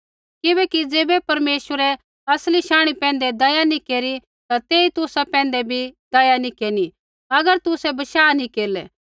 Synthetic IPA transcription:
kɪbɛːkid͡zeːbɛpɐɾmeːʃwəɾɛ | ɐsliʃãːɽ̃ipɛ̃ːnd̪ɛd̪ɐjanikeːɾi | t̪at̪eːit̪ʊsapɛ̃ːnd̪ɛbʱid̪ɐjanikeːni | ɐɡəɾt̪ʊsɛbɐʃaːnĩkeːɾlɛ

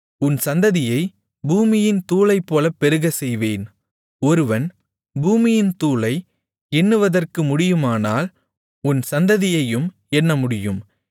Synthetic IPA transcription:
ʊnsɐnd̪ɐðɪjɐɪ | buːmɪjɪnt̪uːlɐɪpːoːlɐpːɛɾɯɣɐsɛjʋeːn | ɔɾɯʋɐn | buːmɪjɪnt̪uːlɐɪ | ɛnːɯʋɐðɐrkɯmʊɽɪjɯmaːnaːl | ʊnsɐnd̪ɐðɪjɐjɯm | ɛɳːɐmʊɽɪjɯm

